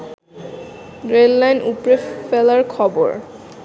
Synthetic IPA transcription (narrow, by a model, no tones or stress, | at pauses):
ɹelːajnupɹefelaɹkʰɔbo̰ɹ